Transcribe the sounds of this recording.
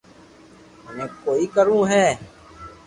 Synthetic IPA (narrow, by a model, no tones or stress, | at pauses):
mẽːkoːiːkəɾũːɦɛː